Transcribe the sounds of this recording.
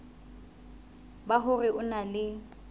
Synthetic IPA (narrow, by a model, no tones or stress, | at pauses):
baɦʊrɪʔʊnalɪ